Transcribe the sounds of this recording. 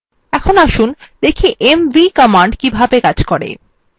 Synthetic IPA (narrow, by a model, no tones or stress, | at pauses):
ɛkʰonaʃund̪̥ekʰiʔemvikɔmaɳɖkibʱabekad͡ʑkɔɾḛ